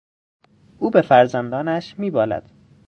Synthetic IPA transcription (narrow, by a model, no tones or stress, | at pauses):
ʔuːbe̞fæɾzænd̪ɒːnæʃmiːbɒːlæ̰d̪̥